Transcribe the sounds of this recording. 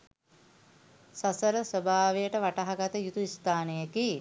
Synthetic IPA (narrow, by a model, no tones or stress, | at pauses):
sasəɾəsəbʱaːʋejəʈəʋaʈaɦaɡat̪əjut̪uist̪aːnejəki